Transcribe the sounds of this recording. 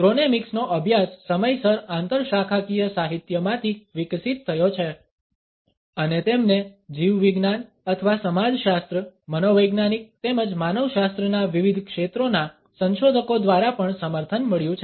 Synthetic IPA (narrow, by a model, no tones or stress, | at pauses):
kɾonemiksnoʔəbʱjasːəməjsəɾãnt̪əɾʃakʰakijəsaɦit̪jəmãt̪ʰiʋɪksit̪ʰːəjot͡ʃʰe | ənet̪emned͡ʒiʋʋiɡnan | ət̪ʰəʋasəmad͡ʒʃast̪ɾəmənoʋəjɡnanik̚t̪eməd͡ʒmanəʋʃast̪ɾənaʋiʋid̪ʱkʃet̪ɾona | sə̃nʃod̪ʱəkod̪ʋaɾapəɳsəməɾt̪ʰənməɭjũt͡ʃʰ